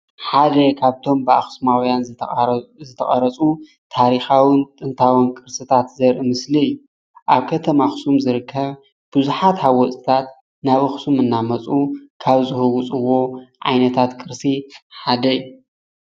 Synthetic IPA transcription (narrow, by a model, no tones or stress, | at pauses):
ħad̪ɐkʰaβt̪ʰo̞mbɨa̰xsumawjan | zɨt̪ʰɐχʼɐɾɐt͡sʼu | t̪ʰaɾixawɨnt̪ʼɨnt̪ʰawɨnkʼɨɾsɨt̪ʰat̪zɐɾʔɨmɨsliɨjːu | ʔaβkʰɐt̪ʰɐmaxsumzɨɾɨkʰːɐβ | b̥ɨzuħat̪hawɔt͡sʼit̪ʰat̪ | naβɐxsumɨnːamɐt͡sʼukʰaβzɨhɨwut͡sʼɨwo̞ʕa̰jnɐt̪ʰat̪kʼɨɾsiħad̪ɐijːu